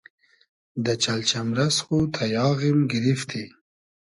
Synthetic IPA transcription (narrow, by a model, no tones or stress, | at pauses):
d̪ət͡ʃalt͡ʃamɾasxut̪ʰajɑːɣimɡɪɾift̪ʰi